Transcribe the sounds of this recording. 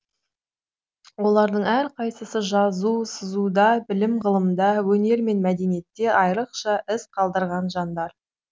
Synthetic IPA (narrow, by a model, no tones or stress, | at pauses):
wo̞lˠɑɾd̪əɴæɾqʰɑjsəsəʒɑzusəzud̪ɑbɪlɪmʁəlˠəmd̪ɑwɵne̞ɾme̞nmæd̪e̞nije̞t̪ːe̞ʔɑjɾəqʃɑʔɪsqʰɑlˠd̪əɾʁɑnʒɑnd̪ɑɾ